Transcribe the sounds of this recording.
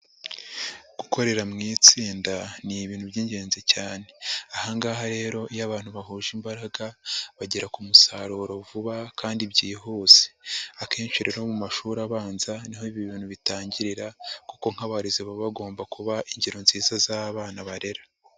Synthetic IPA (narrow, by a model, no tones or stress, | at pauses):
ɡ̥uko̞ɾe̞ɾamŋiːt͡siːndaniβiːn̥hubɟiːɲɟe̞ːnzecaːne̞ahaŋɡaːɦaɾe̞ːɾo̞ʔijaβaːn̥huβaɦuːʒimbaɾaɡaβaɟeɾakumusaɾuɾo̞vuβakaːndibɟiːɦuːze̥akeːɲʃuɾeɾaomumaʃuːɾaβaːnzaniɦo̞iβiβiːn̤̥uβitaːɲɟiɾiɾakuko̞ŋ̥haβaɾiziβaβaɡo̞ːmbakuβaʔiɲɟeɾo̞nziːzazaːβaːnaβaɾe̞ɾḁ